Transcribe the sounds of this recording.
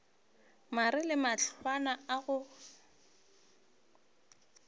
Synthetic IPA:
marɪlɪmat͡ɬʰwanaaɣʊ

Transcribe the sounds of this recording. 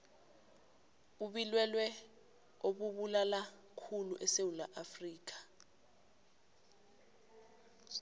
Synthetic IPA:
uɓilwɛlwɛ | oɓuɓulala | kʰulṵʔɛsewulaʔafriːk̬ḁ

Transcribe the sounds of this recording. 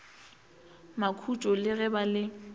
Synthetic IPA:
makʰut͡ʃʼɔlɪɣɛbalɪ

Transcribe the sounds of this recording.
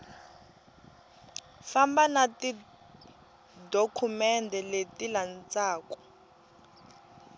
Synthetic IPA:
fambanati | dokʰumɛndʱɛletilant͡saːkɔ̥

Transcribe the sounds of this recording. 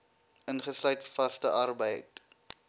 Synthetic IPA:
ənχəslœɥtfɐstəʔɐrbəjt

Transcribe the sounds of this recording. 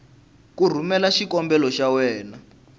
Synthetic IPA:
kur̤umɛlaʃikɔmbɛlɔʃawɛːna

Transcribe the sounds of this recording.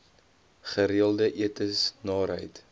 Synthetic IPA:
χəɾiəlˠdəʔiətəsnɑːɾɦəjt

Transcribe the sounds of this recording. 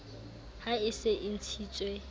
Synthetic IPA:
haɪseʔɪn̩t͡sʰiːt͡sʼwe

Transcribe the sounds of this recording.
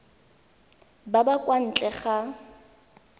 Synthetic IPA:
babakʼwan̩t͡ɬʼɛχa

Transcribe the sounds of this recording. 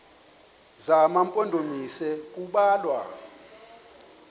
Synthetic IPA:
zamampʼɔndʱomisɛk̬ʼuɓaːlwa̰

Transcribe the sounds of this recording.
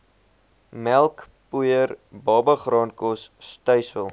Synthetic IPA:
mælˠk | pujərbɑːbəχrɑːnkɔsːtœɥsəlˠ

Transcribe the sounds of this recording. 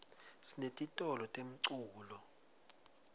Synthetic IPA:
sinetʼitʼɔlɔtʼem̩ǀuːlɔ

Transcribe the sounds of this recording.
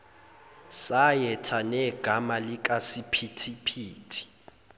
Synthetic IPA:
sajɛtʰanɛɡ̥ʱamalik̬ʼasipʰitʰipʰiːtʰi̥

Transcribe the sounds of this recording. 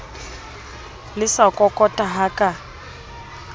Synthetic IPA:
lɪsakʼɔkʼɔtʼaɦakʼa

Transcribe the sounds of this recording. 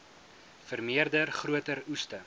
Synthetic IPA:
fərmiərdərχruətəɾustə

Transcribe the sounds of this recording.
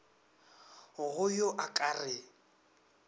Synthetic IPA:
ʊɣʊjoʔakʼarɪ

